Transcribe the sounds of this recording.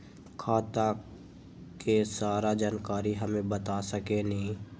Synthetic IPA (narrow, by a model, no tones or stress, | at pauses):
kʰaːt̪ã | kesaːɾad͡ʒaːnkaːɾiɦəmẽbət̪asəkenəɦĩ